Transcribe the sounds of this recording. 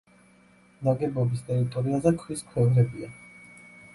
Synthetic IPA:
naɡɛbɔbist̪ʼɛɾit̪ʼɔɾiazɛkʰwiskʰwɛvɾɛbia

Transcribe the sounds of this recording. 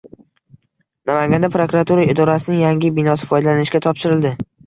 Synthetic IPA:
namaŋɡʲand̪apɾokɾat̪ʰuɾaɪd̪ɒɾasɪnɪŋjaŋɡʲɪbɪnɒsɪ̥fɒjd̪alanɪʃkʲat̪ʰɒpʃɪɾɪld̪ɪ

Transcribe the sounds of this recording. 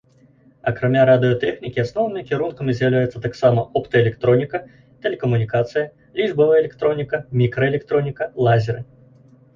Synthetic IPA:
ɐkɾamʲaɾad̪ɨjɐt̪ɛxnʲikʲiasnɔwnɨmʲikʲiɾunkɐmʲizʲjawlʲajɛt̪sːɐt̪aksamɐʔɔpt̪ɐɛlʲɛkt̪ɾɔnʲikɐ | t̪ɛlʲɛkɐmunʲikat̪sɨjɐ | lʲiʐbɐvɐɛlʲɛkt̪ɾɔnʲikɐmʲikɾɐɛlʲɛkt̪ɾɔnʲikɐlˠazʲɛɾɨ

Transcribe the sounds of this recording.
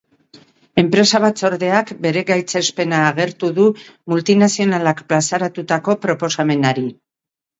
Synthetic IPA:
e̞mpɾe̞saβ̞at͡so̞ɾðe̞akbe̞ɾe̞ɣajt͡se̞spe̞naːɣ̞e̞ɾt̪uðumult̪inasio̞nalakplasaɾat̪ut̪ako̞pɾo̞po̞same̞naɾi

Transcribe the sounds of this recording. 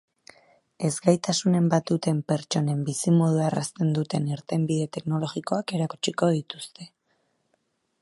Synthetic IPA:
e̞zɡajt̪asune̞mbat̪̚d̪ut̪e̞mpe̞ɾt͡ʃo̞ne̞mbisimo̞ð̞uara̰st̪e̞nd̪ut̪e̞niɾt̪e̞mbiðe̞t̪e̞kno̞lo̞ɣiko̞ake̞ɾaku̥t͡ʃiko̞ð̞it̪u̥st̪e̞

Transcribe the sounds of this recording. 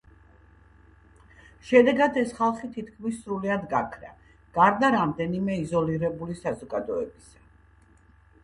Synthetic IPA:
ʃɛd̪ɛɡad̪ɛsχalˠχit̪ʰit̪ʰkʰmisːɾuliad̪ɡakʰɾa̰ | ɡ̥aɾd̪aɾamd̪ɛnimɛizɔliɾɛbulisazɔɡad̪ɔɛbisḁ

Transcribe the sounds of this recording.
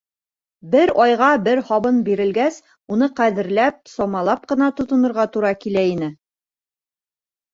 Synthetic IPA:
bɘɾɒjʁɑbɘɾhɒβɤnbiɾɘ̆lɡæs | unɤqæðɘ̆ɾlæp̚sɒmɑlˠɑp̚qɤ̆nɑt̪ŏt̪ŏnɤ̆ɾʁɑt̪uɾɑkilæinɘ

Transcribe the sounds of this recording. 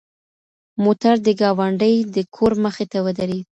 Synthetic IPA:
mot̪aɾd̪əɡɑwaɳɖəjd̪əkʰoɾməxet̪awəd̪aɾi

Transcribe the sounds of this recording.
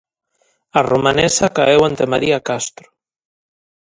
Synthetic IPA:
aromanesakaewant̪emaɾiakast̪ɾo̥

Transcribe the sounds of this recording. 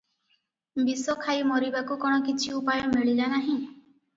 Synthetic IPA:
bisɔkʰajmɔɾibakukɔɽ̃ɔkit͡ʃʰiupajɔmeɭilanaɦĩ

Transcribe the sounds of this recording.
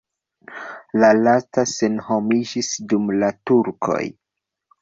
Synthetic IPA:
lalastase̞nhomid͡ʒisdumlatuɾkʰo̞̰j

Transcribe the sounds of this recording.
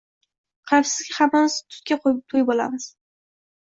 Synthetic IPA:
qʰɑfsɪzɡʲɪhamːanɪst̪ʰʊ̥t̪̚kʲaqʰoj̚t̪ʰojbola̰mɪz̥

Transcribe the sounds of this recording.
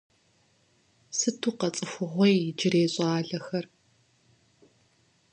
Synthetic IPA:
sɨtʰuːqɐt͡sʼɨxʷʊʁʷɔjd͡ʒɪreːɕʼaːɮɐxɐr

